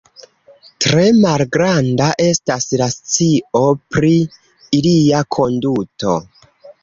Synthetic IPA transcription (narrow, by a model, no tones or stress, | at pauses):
tɾe̞malɡɾandaʔe̞staslast͡sio̞pɾiː | liakʰo̞nduto̞̰